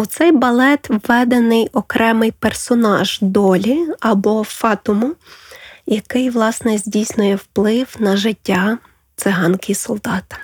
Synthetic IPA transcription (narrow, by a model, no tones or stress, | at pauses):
ut̪sɛjbɐlˠɛt̪ʋːɛd̪enɪjɔkɾʔɛmɪjpersɔnɑʒd̪ɔlʲiɐbɔfɑt̪ʊmʊ | jɐkɪjʋlˠɑsnɛzʲdʲijsʲnʊjɛwplˠɪwnɐʒɪtʲːa | t̪sɪɦɑnkʲisɔlˠd̪ɑt̪ɪ̥